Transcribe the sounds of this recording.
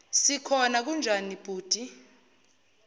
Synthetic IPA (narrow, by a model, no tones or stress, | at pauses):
sikʰɔnak̬und͡ʒʱanib̥ʱuːd̥ʱʼi